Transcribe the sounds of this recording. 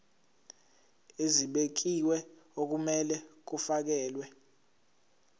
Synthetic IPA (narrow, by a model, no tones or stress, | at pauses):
eziɓek̬iwɛok̬umɛlɛk̬ufak̬ɛːlwɛ